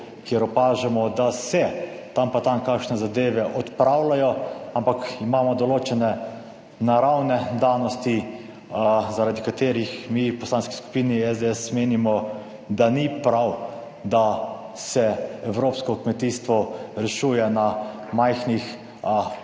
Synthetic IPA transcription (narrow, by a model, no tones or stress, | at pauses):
kjeɾɔpaːʒɛmɔd̪asɛ | t̪ampat̪amkakʃnɛzad̪eːʋɛʔɔt̪pɾawlajɔampakimaːmɔd̪ɔloːt͡ʃɛnɛ | naɾawnɛd̪aːnɔst̪i | zaɾad̪ikat̪eːɾixmipɔslanski̥sku̥piːniɛzd̪eɛsmeːnimɔ | d̪anipɾaw | d̪a | sɛɛwɾoːpskɔkmɛt̪ist̪ʋɔɾɛʃuːjɛna | majxnix